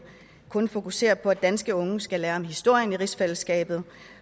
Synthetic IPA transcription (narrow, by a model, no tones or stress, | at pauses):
kʰɔ̽nfo̝kuse̝̰ːɐpʰɒ̽æd̥ænsɡ̥əɔ̽ŋəsɡ̥ælæːɐmɦisd̥o̝ɐ̰jəniʁisfel̰sɡ̥ɛ̰ːb̥ð̞̩ˠ